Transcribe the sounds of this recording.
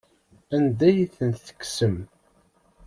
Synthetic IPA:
ænd̪æjiθənθə̥kːsəm

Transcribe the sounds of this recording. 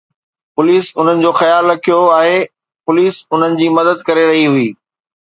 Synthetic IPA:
pʊliːsʊn̤ənɪ̆d͡ʑoːxɐjaːlɾɐkʰijoaːɦe | pʊliːsʊn̤ənɪ̆d͡ʑiːmɐd̪əd̪̚kɐɾeɾɐɦiɦʊiː

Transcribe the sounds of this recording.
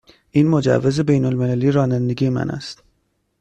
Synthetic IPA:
ʔiːnmod͡ʒæ̰vːeze̞bejnolmelæliːɾɒːnænd̪eɡiːemæ̰nʔæ̰st̪

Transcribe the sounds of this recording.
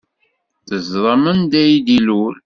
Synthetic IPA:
θəzɾˤəmənd̪æjd̪ilul

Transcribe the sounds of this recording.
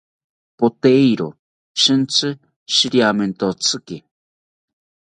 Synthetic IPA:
pot̪eiɾo | ʃɨnt͡sɨ | ʃiɾiamẽnt̪ot͡sʰɨke

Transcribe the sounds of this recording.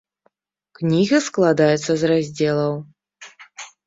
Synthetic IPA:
knʲiɣɐsklˠad̪ajɛt̪sːɐzrazʲd͡zʲɛlˠɐw

